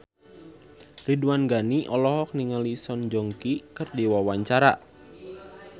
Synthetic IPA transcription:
riduanɡaniʔɔlɔɦɔk̚niŋalisɔnd͡ʒɔŋkikərdiwawaɲt͡ʃaɾa̰

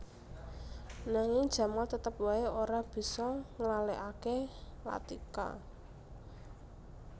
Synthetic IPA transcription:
naŋɪŋ̥ʒ̥ä̤malt̪ət̪əp̚waeoɾab̥i̤sɔŋlalɛʔakela̰t̪ika̰

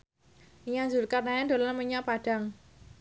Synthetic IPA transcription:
ijaŋzulkarnajand̥̪o̤lanməɲapaɖ̥a̤ŋ

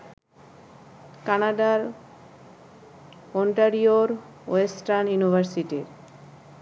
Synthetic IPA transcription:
kanaɖaɾ | oɳʈaɾioɾ | esʈaɾnjunibʱaɾsiʈiɾ

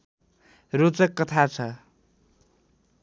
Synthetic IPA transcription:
rot͡sʌkːʌt̪ʰat͡sʰʌ

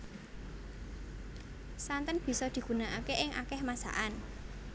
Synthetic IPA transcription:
sant̪ənb̥i̤sɔd̪̥i̤ɡ̥ṳnaʔakeʔɪŋʔa̰kɛhmasa̰ʔan

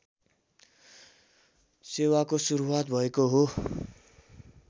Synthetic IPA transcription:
sewakosuɾuwat̪̚bʱʌekoɦo

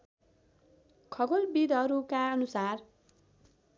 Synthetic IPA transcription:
kʰʌɡolbid̪ʌɾukaʌnusar

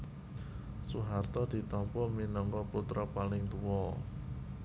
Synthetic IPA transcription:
suɦart̪ɔd̪̥i̤t̪ɔmpɔminɔŋkɔput̪ɾɔpalɪŋt̪uwɔ

